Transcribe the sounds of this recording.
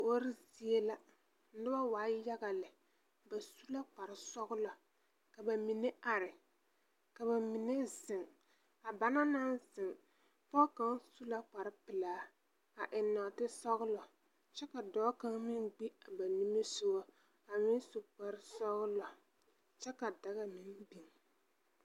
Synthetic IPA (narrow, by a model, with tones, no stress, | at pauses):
o˦ɾɪ˦zi˦e˦la˦ | nɪ˦ba˦waː˨˦ja˦ɡa˨lɪ˨ | ba˨su˦la˦k͡pa˨ɾɪ˨sɔ˦ɣʊ˦lɔ˨ | ka˨ba˨mi˨ne˦ʔa˨ɾɪ˨ | ka˨ba˨mi˨ne˦zɪ˨ŋ | a˨ba˨na˦na˦n˦zɪ˨ŋ | pɔ˦ka˦ŋsu˦la˦k͡pa˨ɾɪ˦pɪ˨laː˦ | a˨ʔɪ˨nːɔ˨tɪ˦sɔ˦ɣʊ˦lɔ˨ | t͡ʃɛ˦ka˨dɔː˦ka˦ŋmɪ˦ŋɡ͡bi˦a˨ba˨ni˦me˦sʊ˦wɔ˦ | a˨mɪ˦n˦sʊ˨k͡pa˨ɾɪ˦sɔ˦ɣʊ˦lɔ˨ | t͡ʃɛ˦ka˨da˨ɣa˦mɪ˦nbi˨ŋ